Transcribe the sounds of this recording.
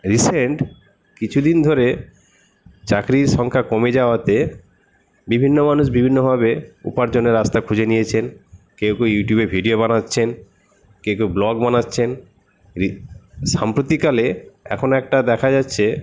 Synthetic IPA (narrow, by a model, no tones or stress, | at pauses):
ɾiseɳʈ | kit͡ɕʰud̪ind̪ʱoɾe | t͡ɕakɾiʃɔŋkʰakomed͡ʑaoat̪e | bibʱinːomanuʃbibʱinːobʱaβeṵpaɾd͡ʑonːeɾast̪akʰud͡ʑenijet͡ɕʰen | kewkejuʈjubebʱiɖiobanatːɕʰen | kewkewblɔɡbanatːɕʰen | iʃampɾot̪ikaleɛ̰kʰonoɛk̚ʈad̪ɛkʰad͡ʑatːɕʰe